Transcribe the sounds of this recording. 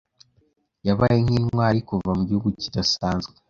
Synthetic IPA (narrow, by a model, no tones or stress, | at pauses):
jaβajeŋ̥hiːnwaːɾikuvamuɟihuɡucidasaːnzɡwe